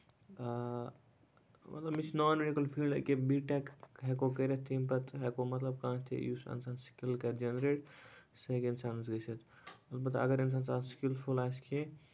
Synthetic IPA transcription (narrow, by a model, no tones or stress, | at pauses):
mɐt̪lɐbmit͡ʃʰnɔːnmeɽikɐlpʰiːlɖkebiʈɛkɦɛkokəɾet̪ʰimpɐt̪ɦɛkomɐt̪lɐb̚kãːt̪ʰḭjusɐ̰nsaːnskilkɐd͡ʒenɾeːʈsekensansɡəsɐt̪ | ɐlbɐt̪ɐ̰ɡəɾɐns̬aːnsaːnskilpʰulaːskʰi